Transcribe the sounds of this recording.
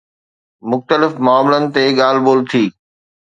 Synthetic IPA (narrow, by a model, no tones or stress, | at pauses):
mʊxt̪əlɪfmʊaːmɪlənɪ̆t̪eɠaːl̤boːlt̪ʰiː